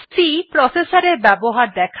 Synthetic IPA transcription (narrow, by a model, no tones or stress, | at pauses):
sipɾɔsesaɾeɾbɛboɦaɾd̪ɛkʰ